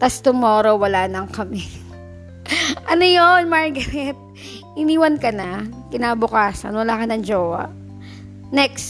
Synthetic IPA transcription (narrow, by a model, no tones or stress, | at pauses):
t̪ast̪ʊmoːɾowɐlaːnɐŋkɐmɛ | ʔɐnojonmaɹɡɐɾɛt̪̚ | ʔɪniːwɐnkɐnɐkɪnaːbʊkaːsɐ̰nwɐlaːkɐnɐŋd͡ʒoːwɐ̰ʔ | nɛks